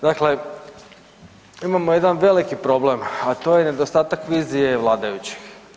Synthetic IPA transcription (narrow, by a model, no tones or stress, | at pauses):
d̪akle | imamoje̞d̪anʋe̞likipɾo̞ble̞mat̪o̞jene̞d̪ost̪aːt̪akʋiːzije̞ʋlˠaːd̪ajut͡ɕi̥x